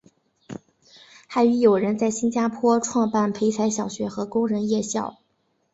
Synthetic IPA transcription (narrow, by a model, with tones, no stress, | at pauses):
xa˧˥ɪy˧˥jo˨˩ʊɻə˧˥nt͡sa˥˩ɪɕi˥nt͡ɕja˥pʰwɔ˥ʈ͡ʂʰwɑ˥˧ŋpa˥˩npʰe˧˥ɪt͡sʰa˧˥ɪɕ̬jɑ˨˩ʊɕɥɛ˧˥xɤ˧˥kʊ˥ŋɻə˧˥njɛ˥˧ɕjɑ˥˩ʊ